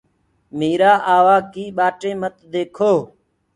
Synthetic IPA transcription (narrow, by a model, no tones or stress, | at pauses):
miːɾaːʔaːʋaːkiːɓaːʈẽːmət̪d̪eːkʰoː